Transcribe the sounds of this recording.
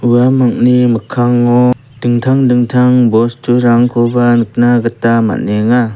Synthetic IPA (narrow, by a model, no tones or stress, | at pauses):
uwamak̚nimɯkʰaŋɔ | d̥ɯŋtʰaŋdɯŋtʰaŋbɔstʰuɾaŋkʰɔbanɯk̚naɡɯtama̰neŋa